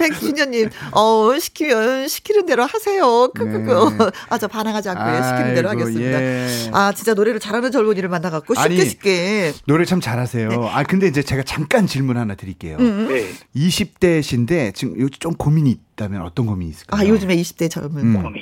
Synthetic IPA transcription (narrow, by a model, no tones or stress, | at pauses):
pe̞k̚ɕʰiɲʌɲːimʌɕʰi̥kʰimjʌnɕʰi̥kʰiɾɯnde̞ɾohasʰe̞jokʰɯkʰɯɡ | at͡ɕʌpanaŋɦad͡ʑiankʰoeɕi̥kkʰiɾɯndeɾohaɡes͈ɯmidaat͡ɕint͡ɕ͈anoɾe̞ɾɯɭt͡ɕaɾɦanɯnt͡ɕʌɭmoɲiɾɯɭmanːaɣak̚k͈oɕaiɲieɕʰi̥p̚k͈enoɾet͡ɕʰamt͡ɕaɾasʰe̞joa̰kɯnde̞ind͡ʑe̞t͡ɕe̞ɡat͡ɕaŋk͈ant͡ɕiɭmunhanatɯɾik͈e̞̰jo | iɕʰip̚t͈e̞ɕʰinde̞t͡ɕijot͡ɕ͈omkomiɲiːt̚t͈amjʌnʌt͈ʌnɡomiɲiːs͈ɯɭk͈aajod͡ʑɯme̞iɕʰi̥p̚t͈e̞t͡ɕʰaɡmjʌn